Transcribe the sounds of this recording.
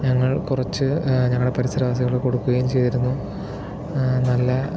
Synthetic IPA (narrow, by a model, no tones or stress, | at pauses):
ɲɐŋːɐɭkurɐt͡ɕːɨɲɐŋːɭɽepɐɾisɐɾɐʋaːs̬ɐɣɐɭeko̞ɽukːuɣɐjumt͡ɕe̞jt̪iɾunːu | nɐlːɐ